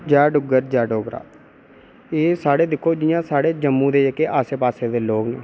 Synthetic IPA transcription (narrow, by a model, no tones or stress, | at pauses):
d͡ʒaːɖʊɡəɾd͡ʒaːɖoːɡɾa̰ː | eːsaːɽeːd̪ɪkʰːoːd͡ʒɪjãːsaːɽeːd͡ʒəmːũːd̪eːekːeːʔaːseːpaːseːd̪eːloːkneː